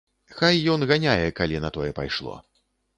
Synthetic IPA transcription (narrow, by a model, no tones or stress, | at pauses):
xajːɔnɣanʲajɛkalʲinɐt̪ɔjɛpa̰jʂlˠɔ̰